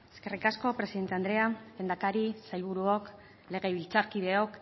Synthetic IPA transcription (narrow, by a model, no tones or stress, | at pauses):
e̞ske̞rikasko̞pɾe̞siðent̪e̞and̪ɾe̞alend̪akaɾisajβ̞uɾuok | le̞ɣ̞e̞βilt͡saɾkiðe̞o̞k